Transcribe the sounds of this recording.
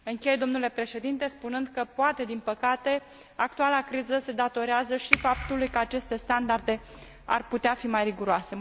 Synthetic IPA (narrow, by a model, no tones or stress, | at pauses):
ɨŋkʲe̞jd̪o̞mnule̞pɾe̞ʃe̞d̪int̪e̞spunɨnd̪kəpoat̪e̞d̪inpəkat̪e̞ | ak̚t̪ualakɾizəse̞d̪at̪o̞ɾeazəʃifap̚t̪ulujkəat͡ʃe̞st̪e̞st̪and̪ard̪e̞ | a̰rput̪eafimajriɡuɾoase̞